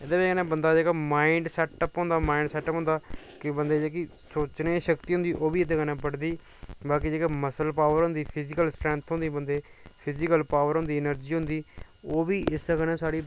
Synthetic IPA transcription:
ed̪eːbkənẽːbənd̪aːd͡ʒeːkaːmaːɪɳɖsɛːʈəpɦõːnd̪aːmaːiɳɖsɛːʈəpɦnd̪aː | kɪbənd̪eːd͡ʒeːki | soːt͡ʃnẽːʃəkt̪iːɦʊnd̪iːʔoːʋiːɪt̪eːkənẽːpəɽd̪iː | baːk̬iːd͡ʒeːkaːməsəlpaːʋəɾɦʊ̃nd̪iːpʰɪzɪkəlsʈɾɛ̃ːnt̪ʰɦʊ̃nd̪iːbənd̪eːpʰɪzɪkəlpaːʋəɾɦʊ̃nd̪iːnəɾd͡ʒiːɦʊ̃nd̪iː | oːʋiːʔɪskənẽːsaːɽiː

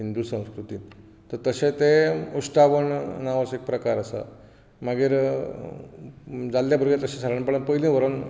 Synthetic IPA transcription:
ɦind̪uːsə̃w̃skɾut̪iː | t̪əɾt̪əɕẽt̪eusʈaʋəɳnaʋəsek̚pɾəkaɾəsa̰ | maɡiːɾ | d͡zalːjabʱəɾɡat̪əɕẽsaɾanpəɽɭənpəɦilĩʋəɾon

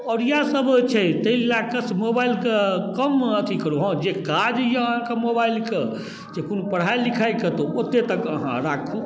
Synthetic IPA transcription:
ɔːɾjasəbt͡ʃʰɛt̪əililakəsmobailkekəmət̪ʰikəɾuɦãd͡ʒekad͡ʒjaɦãkemobailke | d͡ʒekonupəɽ̤ajlːikʰajket̪oot̪et̪əkəɦã̰ɾakʰu

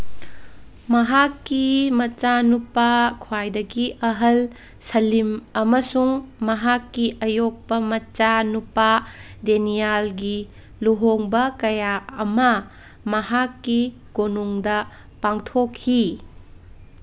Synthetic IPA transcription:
mɐɦakːimɐt͡ʃanupakʰwajdɐɡiʔɐɦɐl | sɐlimɐmɐsuŋmɐɦakːiʔɐjok̚pɐmɐt͡ʃanupadenijalɡi | luɦoŋbɐkɐjaɐmɐ | mɐɦakːi | ɡ̥onuŋdɐ | paŋtʰokʰːi

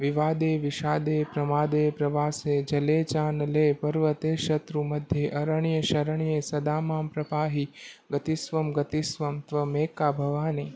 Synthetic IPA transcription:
ʋiʋaːd̪eːʋiʃaːd̪eːpɾɐmaːd̪eːpɾɐʋaːseːd͡ʒɐleːt͡ʃaːnleːpɐɾʋɐt̪eːʃɐt̪ɾumɐd̪ʱjeʔɐɾəɳjɐʃɐɾəɳ̃ijeːsɐd̪aːmaːmpɾɐpaːɦiɡɐt̪isʋɐmɡɐt̪isʋɐmt̪ʋɐmeːkaːbʱɐʋaːniː

